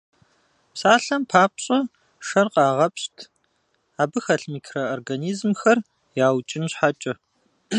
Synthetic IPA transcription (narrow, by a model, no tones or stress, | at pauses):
psaːɬɐmpʰaːp̚ɕʼɐ | ʂɐrqɑːʁɐpɕtʰ | aːbɨxɐɬmiːkʰrɐorɡɐniːzmxɐr | jaːwt͡ʃʼɪnɕħat͡ʃʼɐ